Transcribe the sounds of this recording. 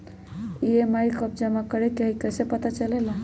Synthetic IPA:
iemajkəb̚d͡ʒəmakəɾɛkeɦikəsepət̪at͡ʃəlɛla

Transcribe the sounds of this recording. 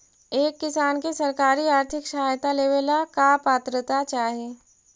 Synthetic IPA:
eːkːɪsaːnkesɐɾkaːɾiaːɾt̪ʰɪkʃɐaːjt̪aleːʋelakapaːt̪ɾət̪at͡ʃaːɦeː

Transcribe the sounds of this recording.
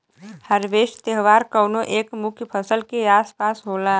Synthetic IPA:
həɾʋeːʃt̪eɦʋaːɾkəwnoʔeːkmʊkʰjpʰəsəlkeaːspaːsɦoːlaː

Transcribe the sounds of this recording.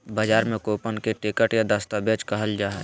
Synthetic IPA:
bad͡ʒaːɾmẽkoːpənkeʈɪkəʈjad̪ɐst̪abet͡ʃkɐɦəld͡ʒaːɦɛ

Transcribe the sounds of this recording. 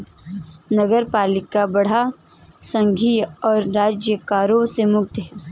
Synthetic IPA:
nɐɡəɾpaːlɪkabɐɽ̤a | sɐ̃ŋɡʱiːɔːɾːaːd͡ʒjəkaːɾõsemʊk̚t̪ɦɛː

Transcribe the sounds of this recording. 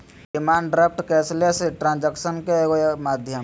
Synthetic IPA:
ɖɪmaːɳɖɾep̚ʈkɛːsleseʈɾãːnd͡ʒəkʃənkeɡomaːd̪ʱjə

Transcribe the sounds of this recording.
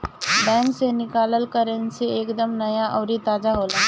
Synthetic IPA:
bɛ̃ːŋksenɪkaːləlkəɾenseeːkd̪əmnɐjaʔɔːɾit̪aːd͡ʒaɦoːlaː

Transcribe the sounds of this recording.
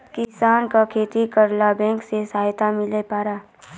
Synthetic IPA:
kɪsaːnkakʰeːt̪ikəɾlabɛ̃ːŋksesaːjt̪amɪlepaːɾaː

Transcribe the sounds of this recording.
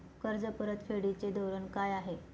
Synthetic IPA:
kəɾd͡zəpəɾət̪fʰeɽit͡sed̪əwɾəɳkajaɦe

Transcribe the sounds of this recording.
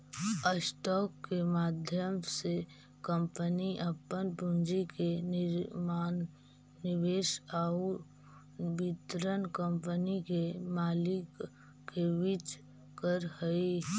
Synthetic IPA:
əsʈɔːkːemaːd̪ʱjəmse | kəmpəniʔəpːənpund͡ʒike | nɪʋeːʃau | bɪt̪ɾənkəmpənikemaːlɪkː | eʋɪt͡ʃ | kəɾhəi

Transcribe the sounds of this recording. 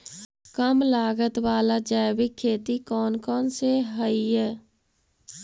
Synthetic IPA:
kəmlaːɡət̪waːlad͡ʒaːjbikʰːeːt̪ikɔːnkɔːnseɦəij

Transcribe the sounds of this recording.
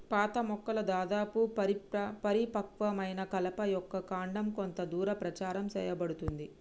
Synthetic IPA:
paːt̪ɐmɔkːɐlɐd̪aːd̪aːpuɐɾipɐpɐɾipɐkʋɐmɐjnɐkɐlɐpɐjɔkːɐkaːɳɖɐmkont̪ɐd̪uːɾɐpɾɐt͡ʃaːɾɐmsɛ̰ːjɐbɐɽut̪und̪i

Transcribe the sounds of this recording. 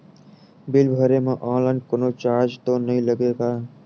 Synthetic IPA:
bɪlbʱəɾemẽʔɔ̃ːnlaːɪnkʊnot͡ʃaːɾd͡ʒt̪onəɦĩləɡeːɡaː

